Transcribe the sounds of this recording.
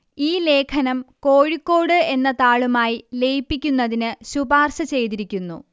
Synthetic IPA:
iːle̞ːkʰɐnɐmko̞ːɻikːo̞ːɽɨe̞nːɐt̪aːɭumaːjile̞jpːikʲːunːɐðinɨɕubaːrɕɐt͡ɕe̞jt̪̬iɾikʲːunːṵ

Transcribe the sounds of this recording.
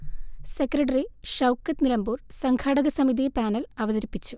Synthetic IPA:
sekrɐʈɐriʂɐwkːɐt̪nilɐmbuːrsɐŋkʰaːɽɐɣɐsɐmiðipaːnɐlɐʋɐðɐɾipːit͡ɕːu

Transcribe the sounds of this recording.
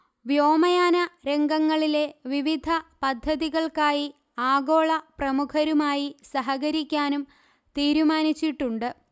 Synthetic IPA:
ʋjo̞ːmɐjaːnɐɾe̞ŋɡɐŋːɐɭile̞ʋiʋid̪ʱɐpɐd̪ʱːɐðiɣɐɭkaːji | aːɡo̞ːɭɐprɐmukʰɐɾumaːjisɐɦɐɣɐɾikʲːaːnum | t̪iːɾumaːnit͡ɕːiʈːuɳɖɨ

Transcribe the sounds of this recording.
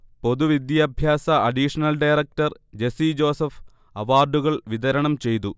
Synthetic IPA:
po̞ðuʋid̪jɐbʱjaːsɐʔɐɖiʂɐnɐlɖɐjɾɐk̚ʈɐrd͡ʑe̞sid͡ʑo̞ːsɐf | ɐʋaːrɖuɣɐɭʋid̪ɐɾɐɳɐmt͡ɕe̞jt̪̬u

